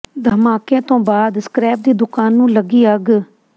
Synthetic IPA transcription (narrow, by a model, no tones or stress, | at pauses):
d̪ʱəmaːkẽːt̪õːbaːd̪skɾɛːp̚d̪iːd̪ʊkaːnːũːləɡiːəɡ